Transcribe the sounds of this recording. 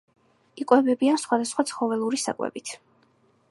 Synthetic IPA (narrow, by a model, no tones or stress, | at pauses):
ikʼwɛbɛbiansχwad̪asχwat̪sʰχɔvɛlˠuɾisa̰kʼwɛ̰bit̪ʰ